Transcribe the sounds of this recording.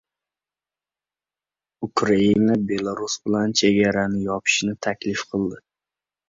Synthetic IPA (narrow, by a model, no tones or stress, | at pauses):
ʊkʰɾainabe̞lˠaɾusbɪlant͡ʃʰe̞ɡʲaɾanɪjɒpʰɪ̥ʃnɪt̪ʰakʲlɪfqʰɨlˠd̪ɪ